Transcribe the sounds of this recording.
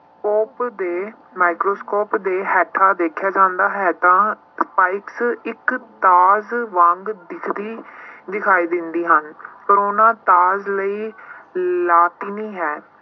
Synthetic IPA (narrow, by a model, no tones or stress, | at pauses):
skoːpd̪eː | maːɪkɾoːskoːpd̪eːɦɛːʈʰːaːd̪eːkʰjaːd͡ʒãːnd̪aːɦɛːt̪ãː | spaːɪksɪkt̪aːzʋãːŋɡd̪ɪkʰd̪iːd̪ɪkʰaːiːd̪ɪ̃nd̪iːɦənpəɾoːnãːt̪aːzləiː | laːt̪iːnĩːɦɛː